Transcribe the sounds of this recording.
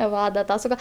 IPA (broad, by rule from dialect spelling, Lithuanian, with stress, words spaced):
ˈʋɐ dɐ ˈtɑː sʊˈɡɐ